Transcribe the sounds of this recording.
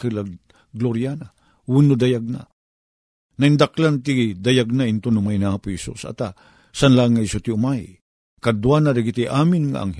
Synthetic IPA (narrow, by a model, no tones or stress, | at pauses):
kɨla | ɡloɾjana | wunʊd̪ajaɡ̚na̰ | naind̪aklant̪id̪ajaɡ̚naɪnt̪ʊnʊmajnaaːpʊhɛsṵsa̰t̪a | sanlaŋaisʊt̪iʊmaj | kad̪wanadaɡit̪iʔaːmɪnŋa̰ʔa̰ŋh